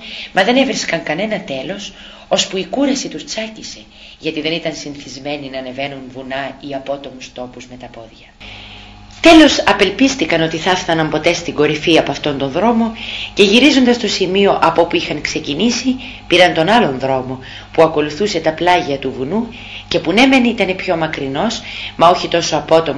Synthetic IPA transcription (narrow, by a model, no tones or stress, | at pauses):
mɐðe̞ne̞vɾiskɐŋkɐne̞nɐt̪e̞lo̞s | o̞spuikuɾɐsit̪ust͡sɐcise̞ | ʝɐt̪iðe̞nit̪ɐnsinθizme̞ninɐːne̞ve̞nunvunɐiɐpo̞t̪o̞must̪o̞puzme̞t̪ɐpo̞ðʝɐ | t̪e̞lo̞sɐpe̞lpist̪ikɐno̞t̪iθɐfθɐnɐmpo̞t̪e̞st̪iŋɡo̞ɾifiɐpoɐft̪o̞nt̪o̞nðɾo̞mo̞ce̞ʝiɾizo̞nd̪ɐst̪o̞simio̞ʔɐpo̞puixɐŋkse̞cinisi | piɾɐnt̪o̞nɐlo̞nðɾo̞mo̞ | puɐko̞luθuse̞t̪ɐplɐʝɐt̪uvunu | ce̞pune̞me̞nit̪ɐne̞pço̞mɐkɾino̞smɐo̞çit̪o̞so̞ɐpo̞t̪o̞m